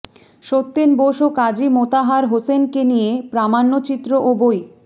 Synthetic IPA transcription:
ʃot̪ːenboʃokad͡ʑimot̪aɦaɾɦosenkenijepɾamanːot͡ɕit̪ːɾoʔoboj

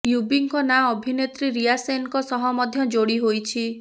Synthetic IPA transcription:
jubiŋkɔnaɔbʱinet̪ɾiɾijasenkɔsɔɦɔmɔd̪ʱjɔd͡ʒoɽiɦojt͡ʃʰi

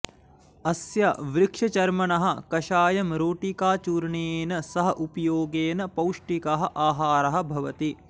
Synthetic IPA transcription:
ɐsjɐʋɾɪkʂɐt͡ʃɐɾmɐɳɐɦɐ̆kɐʃaːjɐmɾoːʈikaːt͡ʃuːɾɳeːnɐsɐɦɐʔupɐjoːɡeːnɐpɐwʂʈikɐɦɐ̆ʔaːɦaːɾɐɦɐ̆bʱɐʋɐt̪i

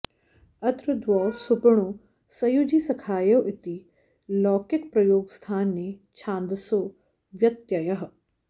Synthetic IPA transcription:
ɐt̪ɾɐd̪ʋɔːsupɾɐɳ̃oː | sɐjud͡ʒisɐkʰaːjɐwʔɪt̪i | lɔːkɪkpɾɐjoːɡst̪ʰaːnːeːt͡ʃʰaːnd̪ɐsoː | ʋjɐt̪jɐjɐɦɐ̆

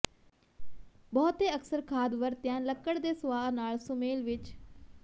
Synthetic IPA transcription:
bɔːt̪eːəksəɾkʰaːd̪ʋəɾt̪jãːləkːəɽd̪eːsʊʋaːnaːlsʊmeːlʋɪt͡ʃ

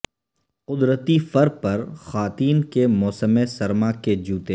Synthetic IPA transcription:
qʊd̪ɾət̪ifɐɾpɐɾxaːt̪iːnkemɔːsəmesɐɾmaked͡ʒuːt̪eː

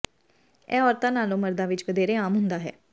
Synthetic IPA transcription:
ɛːɔːɾt̪ãːnaːlõːməɾd̪aːʋɪt͡ʃʋəd̪eːɾeːaːmɦʊnd̪aːɦɛ̰ː

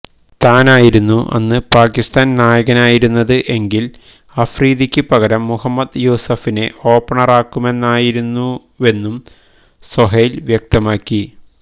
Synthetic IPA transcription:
t̪aːnaːjiɾunːuʔɐ̰nːɨpaːkist̪aːnnaːjɐɣɐnaːjiɾunːɐðɨʔe̞ŋɡil | ɐfriːðikʲːɨpɐɣɐɾɐmːuhɐmːɐd̪joːsɐfine̞ʔo̞ːpːɐɳɐraːkːume̞nːaːjiɾunːu | e̞nːum | sɐɦɐjilʋjɐk̚t̪ɐmaːkːi

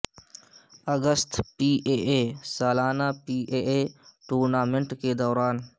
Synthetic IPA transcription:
əɡəst̪piːʔeːʔeːsaːlaːnapiːʔeːeʈuːɾnaːmẽɳʈked̪ɔːɾaːn

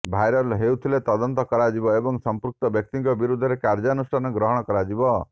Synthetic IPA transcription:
bʱajɾɔlɦewt̪ʰilet̪ɔd̪ɔnt̪ɔkɔɾad͡ʒibɔebɔŋsɔmpɾuk̚t̪ɔbjɔk̚t̪iŋkɔbiɾud̪ʱɔɾekaɾd͡ʒanusʈʰanɔɡɾɔɦɔɽ̃ɔkɔɾad͡ʒibɔ

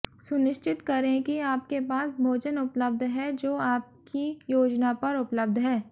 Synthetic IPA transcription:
sʊnɪʃt͡ʃɪt̪kɐɾẽkiaːp̚kepaːsbʱoːd͡ʒənʊpləbd̪ʱɦɛd͡ʒoːaːp̚kijoːd͡ʒnapɐɾʊpləb̚d̪ʱɦɛː

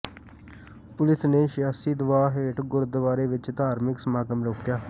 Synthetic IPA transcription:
pʊlɪsneːʃjaːsiːd̪ʊʋaːɦeːʈɡʊɾd̪əʋaːɾeːʋɪt͡ʃt̪aːɾmɪksəmaːɡəmɾoːkjaː

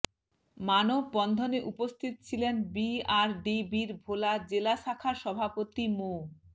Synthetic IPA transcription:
manobːɔnd̪ʱoneʔupost̪ʰit̪ot͡ɕʰilenbiaɾɖibiɾbʱolad͡ʑelaʃakʰaʃɔbʱapot̪imo

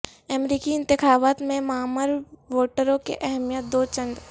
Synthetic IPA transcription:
ɛmɾiːkiɪ̃nt̪ɪxaːʋaːt̪mẽmaːməɾʋoːʈəɾõkeʔɛɦmijət̪̚d̪oːt͡ʃə̃nd̪

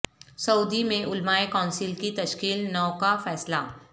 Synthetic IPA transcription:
sɐuːd̪imẽʔʊlmaːekɔːnsɪlkit̪ɐʃkiːlnɔːkafɛːsla

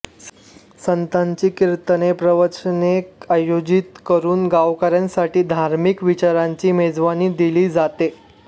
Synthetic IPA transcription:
sənt̪aɲt͡ɕiːkiɾt̪ənepɾəʋət͡ɕənekajod͡ʑit̪kəɾuːnɡaʋkaɾjãnsaʈiːd̪ʱaɾmikʋit͡ɕaɾaɲt͡ɕiːmed͡zʋaniːd̪iliːd͡zat̪e

